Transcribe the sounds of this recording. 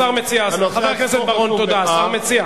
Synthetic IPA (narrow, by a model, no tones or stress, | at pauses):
aʁmet͡siasaveʁkesed̪baʁont̪od̪asaʁmet͡sia